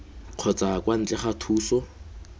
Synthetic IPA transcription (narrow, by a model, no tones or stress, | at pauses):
q͡χʰɔt͡sakwan̩t͡ɬʼɛχatʰuːsɔ